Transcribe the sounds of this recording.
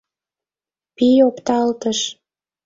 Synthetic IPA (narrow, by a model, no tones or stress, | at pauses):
pijopt̪ɑlt̪əʃ